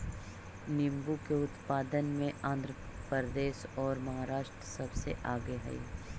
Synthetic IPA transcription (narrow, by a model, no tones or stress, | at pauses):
nɪmbukeʊt̪paːd̪ənmẽãːnd̪ʱɾəpəɾəd̪eːʃɔːɾmɐɦaːɾaːʃʈɾəsɐbseʔaːɡeɦɐ̰ḭ